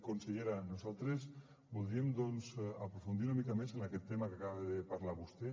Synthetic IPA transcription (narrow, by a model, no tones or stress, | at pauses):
konsiɣeɾanosalˠt̪ɾes | pold̪ɾiemd̪onzapɾofund̪iɾunamikamesenaket̪ːemakakaβaðepaɾlaβust̪e